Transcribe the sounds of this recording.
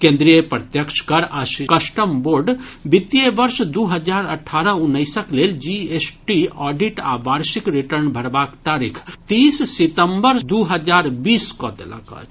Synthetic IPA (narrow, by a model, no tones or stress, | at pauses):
kẽnd̪ɾijəpɾət̪jəkʃʰkəɾaʃikəsʈəmboɾɖbit̪jebəɾsd̪uɦəd͡ʒaɾəʈʰːaɾəunːəɪsəkleld͡ʒiesʈiɔɖiʈa̰baɾsikɾiʈəɾnbʱəɾbakt̪aɾikʰt̪issit̪əmbəɾd̪uɦəd͡ʒaɾbiskɔd̪ḛlə̰kə̰t͡ʃʰ